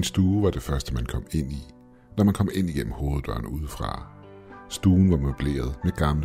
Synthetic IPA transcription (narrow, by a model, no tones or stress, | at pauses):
insd̥uːʋɑ̈d̥e̝fɶɐsd̥əmænkʰɒ̽m̰e̝n̰i | nɒmænkʰɒ̽me̝n̰iɡ̥en̰m̩ho̝ːð̩ˠb̥ɶɐ̰nuːð̞ˠəfʁɑ̈ | sd̥uːn̩ʋɑ̈mob̥le̝̰ːɐð̞ˠmeɡ̥ɑ̈mlə